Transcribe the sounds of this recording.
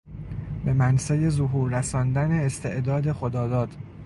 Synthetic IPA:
be̞mænsæjezoɦuːɾːæsɒːnd̪æneːst̪ʰe̞ʔd̪ɒːd̪e̞xo̞d̪ɒːd̪ɒːd̪̥

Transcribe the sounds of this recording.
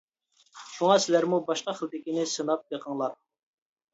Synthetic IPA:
ʃuŋɑsɪlæɾmubɑʃqɑχəlˠd̪ɪkʲinɪsɨnɑp̚j̪əqʰəŋlˠɑɾ

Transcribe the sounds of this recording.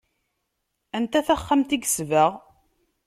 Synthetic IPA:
ænt̪æθæχːamt̪iɡsvəʁ

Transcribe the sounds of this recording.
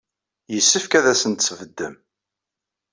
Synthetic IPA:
jəsːəfkæðæsənt̪svəd̪ːəm

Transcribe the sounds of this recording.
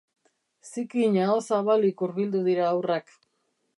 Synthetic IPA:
sikiɲaosaβalikuɾβild̪uðiɾaːwrak

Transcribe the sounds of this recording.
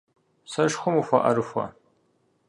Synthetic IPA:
sɐʂχʷʊmufʷɐʔɐ̰ɾɨxʷɐ̰

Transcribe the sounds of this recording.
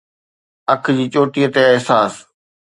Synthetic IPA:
əkʰd͡ʑiːt͡ɕoːʈijət̪eɪɦsaːs

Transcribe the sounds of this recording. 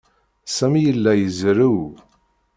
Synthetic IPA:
sæmijəlːæjəzɾuw

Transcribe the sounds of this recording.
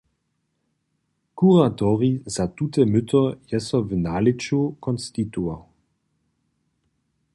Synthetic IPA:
kuʁatɔʁizat̪ut̪ɛmʏt̪ɔjɛsɔvnaːlit͡ʃukɔnst̪it̪uaw

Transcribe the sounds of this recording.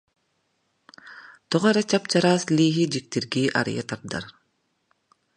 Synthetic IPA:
t̪ɔʁaɾɛt͡ɕap̚t͡ʃaɾaːsliːɦid͡ʒik̚t̪iɾɡiːʔa̰ɾ̰ja̰t̪aɾd̪a̰ɾ

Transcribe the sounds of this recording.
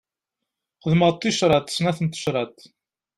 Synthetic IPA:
qəðməˤt̪ˤːiʃɾˤɑt̪snæθənt̪ə̥ʃɾˤɑt̪

